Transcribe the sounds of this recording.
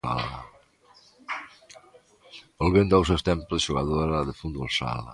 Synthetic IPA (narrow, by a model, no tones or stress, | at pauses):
a̰la | olβend̪aws̬ewst̪ɛmpzeʃuɣaðoɾaðefund̪βolsa̰la̰